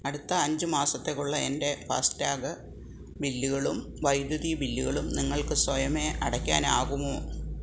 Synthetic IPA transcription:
ɐɽut̪ːɐːɲd͡ʑɨmaːsɐt̪ːekːuɭːɐende̞pa̰ːstaːɡɐ | bilːuɣɐɭumʋɐjd̪juðibilːuɣɐɭumniŋːɐɭkɨswɐjɐme̞ɐɽɐkʲːa̰ːnaːɣumoː

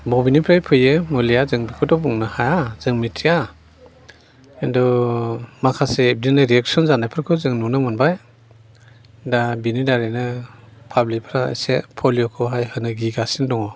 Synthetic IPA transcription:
bɔbinipʰɾajpʰɯjemɔlijazɯŋbikʰɔdɔbuŋnɯhajaz̥ɯŋmitʰia | endɔ | makʰaseːp̚dinaɾiek̚sɔnzanajpʰɯɾkʰɯzɯŋnunɯmɔnbaj | dabinidaɾenɯpʰablikpʰɾa̰sepʰɔlijɔkʰɔɦajhɯnɯɡiɡasindɔŋɔ

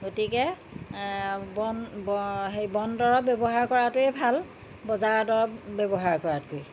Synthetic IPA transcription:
ɡotikɛ | bɔn | ɦejbɔndɔɹɔp̚bɛbɔɦaɹkɔɹatʊɛbʱal | bɔzaɹadɔɹɔpbɛbɔɦaɹkɔɹatkoj

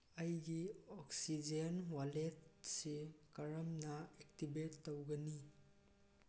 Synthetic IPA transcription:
ɐjɡiɔksid͡ʒenwaletsikɐɾɐmnɐek̚tibetːowɡɐni

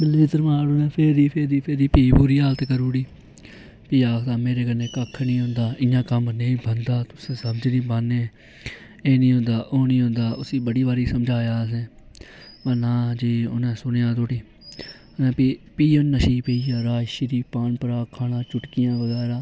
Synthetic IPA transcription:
bɪliːt̪əɾmãːɽoːnẽːpʰeɾd̪iːpʰeɾd̪iːpʰɪɾd̪iːpiːbuːɾiːaːlt̪kəɾuːɽiː | piːaːkd̪aːmeːɾeːkənẽːkəkʰːnĩːɦʊ̃nd̪aːʔɪjãːkəmneĩːbənd̪aːt̪ʊsẽːsəbd͡ʒnĩːbənːeː | eːnĩːɦʊ̃nd̪aːʔoːnĩːɦʊ̃nd̪aːʊsĩːbəɽiːbaːɾiːsəmd͡ʒʱaːjaːs̬ẽː | bənãːd͡ʒiːʊ̰nẽːsʊnejãːt̪oːʈiː | ʊnɛ̃ːpiːonːəʃiːpeːiːaːɾaːʃɪɾiːpaːnpəɾaːkʰaːɽãːt͡ʃʊʈkɪjãːʋəɡɛːɾãː

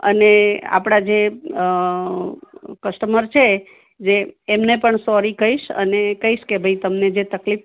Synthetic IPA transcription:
ə̰nea̰pɽ̃ad͡ʒe | kəsʈəməɾt͡ʃʰe | d͡ʒeːmnepəɳsɔɾikəɦiʃə̰nekəɦiʃkebʱəit̪əmned͡ʒet̪əklif

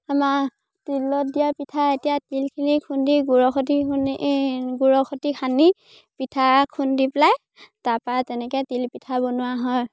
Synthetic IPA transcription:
ama | tilɔdijapitʰaetijatilkʰinikʰundiɡuɹɔxʰɔti | ɡuɹɔxʰɔtikʰani | pitʰakʰundiplaj | taɹpatɛnɛkɛtilpitʰabɔnʊwaɦɔj

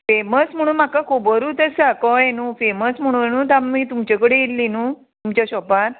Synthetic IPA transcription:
feməsm̤əɽ̃uːnmakakʰobəɾuːt̪əsakɔenuːfeməsm̤əɽ̃ũːenũːt̪amːiːt̪umt͡ɕakəɽeilːinu | t̪umt͡ɕaɕɔpaɾ

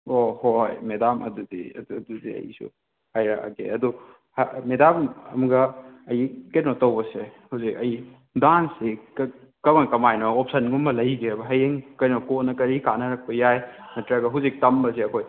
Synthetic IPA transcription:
ohojmedamɐ̰dudḭɐ̰dududḭɐ̰jḭsṵ | hajɾaka̰ɡḛɐdu | hamedamɐmuɡɐːjikɐjnɔtɐwbɐsehawzik̚ɐj | dansik | kɐmɐkɐmajnɔːp̚sɐnɡumbɐlɐjɡeɾɐbɐɦɐjeŋkɐjnɔkonɐkɐɾikanɐɾɐk̚pɐjajmɐtɾaɡɐɦawzik̚tɐmbɐseɐkʰoj

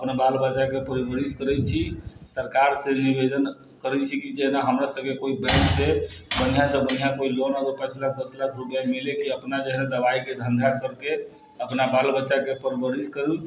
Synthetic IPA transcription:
əpnabalbət͡ʃakepəɾibəɾiskəɾɛt͡ʃʰisəɾkaɾsẽnibed̪ən | kəɾɛt͡ʃʰikid͡ʒeɦnaɦəmɾasəb̚kekoibɛ̃ksebənijasə̃bənijakoilonəɡəɾpɛ̃t͡ʃlak̚ʰd̪əslakʰɾupjamelekiəpnad͡ʒeɦned̪əbaiked̪ʱənd̪ʱakəɾk̪e | əpnabalbəːʃakepəɾibəɾiskəɾɛl

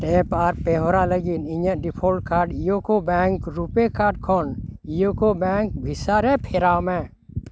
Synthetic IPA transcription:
ʈẽːpaːɾpeːɦoɾaləɡinɪ̃ɲə̃ɖɪpʰoːlʈ̚kaːɾɖijokobɛːŋkɾupekaːɖkʰonijokobɛ̃ːŋk̚bʱɪsaːɾɛpʰeːɾaːmɛ̃

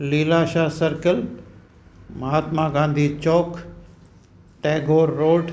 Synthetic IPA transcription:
liːlaːʃaːsɐɾkəl | mɐɦaːt̪mãɡãːnd̪ʱiːt͡ɕɔːk | ʈeːɡoːɾːoːɖ

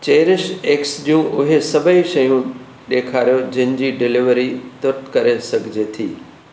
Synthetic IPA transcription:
t͡ɕɐːɾɪʃeːksɗijũʔʊɦesɐbʱəiʃɐjũ | ɗeːkʰaːɾijod͡ʑɐ̃ɦɪ̃̆d͡ʑiːɖɪlɪʋəɾit̪ʊɾt̪kɐɾesɐɡʱɪd͡ʑet̪ʰiː

